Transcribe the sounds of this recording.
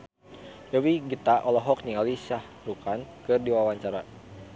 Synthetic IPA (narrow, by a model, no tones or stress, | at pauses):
jəwiɡit̪aʔɔlɔɦɔk̚niŋalisah | rukankɨrdiwawaɲt͡ʃaɾa